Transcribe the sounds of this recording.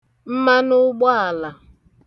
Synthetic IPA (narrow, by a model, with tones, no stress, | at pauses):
m̩˦ma˦nʊ˦ɡ͡bɔ˦a˨la˨